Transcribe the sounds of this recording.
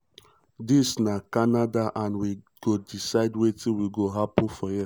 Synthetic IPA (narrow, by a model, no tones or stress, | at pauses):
disnakanadaʔanwi | ɡ̥odisaɪdwetiwiɡoɦapʊ̃fɔjɛ